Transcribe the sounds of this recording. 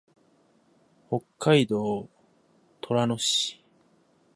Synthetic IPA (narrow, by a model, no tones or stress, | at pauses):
ho̞kːaid̪o̞ː | t̪ʰo̞ɾanoɕi̥